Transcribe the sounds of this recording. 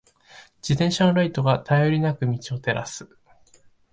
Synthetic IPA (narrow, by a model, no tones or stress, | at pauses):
d͡ʑit̪ẽ̞ɰ̃ɕanɾait̪o̞ɡat̪ʰajo̞ɾʲinakɯ̟mʲit͡ɕio̞t̪e̞ɾʔa̰sɨ̥